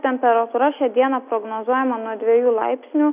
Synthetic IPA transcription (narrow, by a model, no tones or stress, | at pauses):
t̪ʲɛmʲpʲɛɾɐt̪uːɾɐʃʲɛd̪ʲiɛnɐpɾoɡnoːzuɔjɛmɐnuɔd̪ʲʋʲiɛjuːlˠɑ̰ɪpʲsʲnʲuː